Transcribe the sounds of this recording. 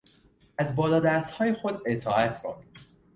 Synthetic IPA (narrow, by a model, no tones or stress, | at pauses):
ʔæzbɒːlɒːd̪æːst̪hɒːjexod̪et̪ʰɒːæt̪ʰbo̰n